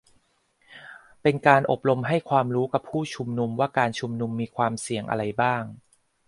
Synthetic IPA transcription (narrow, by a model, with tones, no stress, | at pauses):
pe˧nkaː˧nʔo˨˩p̚ɾo˧mɦa˥˩jkʰwaː˧mɾuː˦˥ka˨˩pʰːuː˥˩t͡ɕʰu˧mnu˧mwaː˥˩kaː˧nt͡ɕʰu˧mnu˧mːiː˧kʰwaː˧msi˨˩əŋʔa̰˧ɾa˧jbaː˥˩ŋ